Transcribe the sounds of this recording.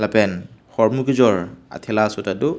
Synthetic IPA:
lapɛnxɔɹmukizɔɹa̰tʰɛlasɔtatu

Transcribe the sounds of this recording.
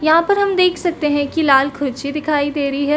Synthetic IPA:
jɐɦãpɐɾɦɐmd̪eːkʰsɐkt̪eɦɛ̃kilaːlkʰʊɾt͡ʃid̪ɪkʰaːid̪eːɾɐɦiɦɛː

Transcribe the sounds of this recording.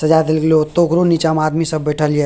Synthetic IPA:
sɐd͡ʒaːt̪elklot̪oːkɾoniːt͡ʃaːmaːd̪misɐbbɛːʈʰəlije

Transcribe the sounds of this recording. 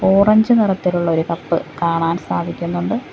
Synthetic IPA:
o̞ːrɐɲd͡ʑɨnirɐt̪ːiluɭːɐoɾukɐpːɨkaːɳaːnsaːd̪ʱikʲːunːuɳɖɨ

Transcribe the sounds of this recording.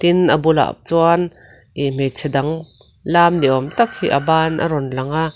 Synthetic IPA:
t̪inʔɐbula̰p̚t͡suanʔim̥ɛt͡sʰɛdɐŋ | laːmdiʔɔmt̪ɐk̚hiʔabaːnʔɐ̰ɾɔnlɐŋaʔ

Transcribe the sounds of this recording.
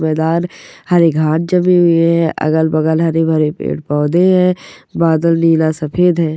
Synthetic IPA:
mɛːd̪aːnhɐɾeɡʱãːʈ̚d͡ʒɐmĩɦʊeɦɦɛ̃ʔɐ̰ɡəlbɐɡəlɦɐɾebʱɐɾepḛːʈ̚pɔːd̪eɦɛ̃ːbaːd̪əlniːlasɐpʰeːd̪ɦɛ̃ː

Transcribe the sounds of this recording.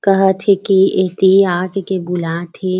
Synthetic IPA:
kɐɦət̪ʰekieːt̪iaːkekebʊlat̪ʰe

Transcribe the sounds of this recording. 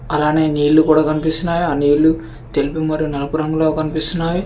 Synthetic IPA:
ɐlaːne̞ːniːɭlːukuːɽaːkɐnipist̪unːaːjuaːniːɭːu | t̪e̞lipimɐɾijunɐlɐpuɾɐŋɡuloːkɐnipist̪unːaːju

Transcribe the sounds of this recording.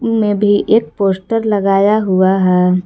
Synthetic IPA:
mẽbʱiʔeːk̚poːsʈəɾləɡaːjaɦuaɦɛː

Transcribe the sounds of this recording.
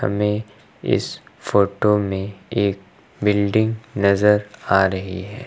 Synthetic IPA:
hɐ̰mẽ | ɪ̰sfoːʈomẽeːk̚ | bɪlɖɪ̃ŋɡnɐzəɾaːɾɐɦiɦɛː

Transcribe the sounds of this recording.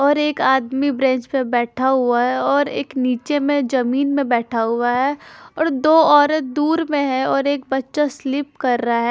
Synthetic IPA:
ɔːɾeːkaːd̪mibɾɛ̃ːɲt͡ʃpebɛːʈʰaɦʊaɦɛɔːɾeːkniːt͡ʃemẽd͡ʒɐmiːnmẽbɛːʈʰaɦʊaɦɛɔːɾd̪oːɔːɾət̪̚d̪uːɾmẽɦɛɔːɾeːk̚bɐtːʃaslɪp̚kɐɾːaaɦɛː

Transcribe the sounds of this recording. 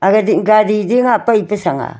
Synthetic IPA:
aɡadiŋɡadidiŋapaipesaŋa̰

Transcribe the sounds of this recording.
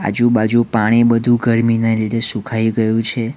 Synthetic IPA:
a̰d͡ʒubad͡ʒupaɽ̃ibəd̪ʱũɡəɾmineliɽesũkʰaiɡəjũt͡ʃʰe

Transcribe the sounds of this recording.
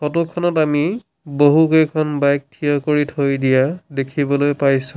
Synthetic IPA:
xɔtukʰːɔnɔtami | boɦukejkʰɔnbajk̚tʰijɔkoɹitʰojdijadekʰibɔlojpajsũ

